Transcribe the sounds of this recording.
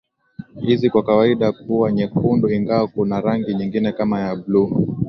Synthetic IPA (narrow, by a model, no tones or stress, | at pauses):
hizikwakawaiɗakuaɲɛkunduiŋɡawɔkunaɾaŋɡiɲiŋɡinɛkamajablu